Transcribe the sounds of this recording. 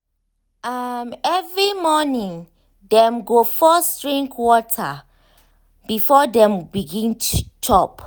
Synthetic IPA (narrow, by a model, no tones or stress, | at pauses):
amɛvɹimɔnĩŋ | dɛ̃mɡofɔstɹĩŋkwɔtʰa | b̥ifɔdɛ̃mbiɡĩnt͡ʃʰɔp